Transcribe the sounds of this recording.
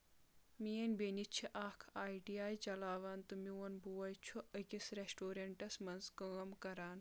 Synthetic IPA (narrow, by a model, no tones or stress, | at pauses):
mijɐnʲbeːnit͡ʃʰiʔaːkʰaːjɖiaːjt͡ʃɐlaːʋaːnt̪ɨmiwɐnbuwɐjt͡ʃʰuʔəkisɾesʈoːɾeɳʈɐsmɐnzkəːmkɐɾaːn